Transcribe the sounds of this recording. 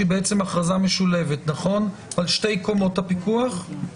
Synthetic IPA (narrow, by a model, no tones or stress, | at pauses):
ibeʔet͡se̞maχʁazameʃule̞vetnaχo̞nvalʃte̞jko̞mo̞thapikuaχ